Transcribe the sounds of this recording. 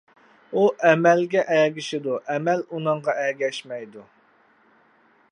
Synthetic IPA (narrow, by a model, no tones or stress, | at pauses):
uʔɛmɛlɡʲɛʔɛɡʲiʃɪd̪uʔɛmɛlunɨɴʁɑɛɡʲɛʃmɛjd̪u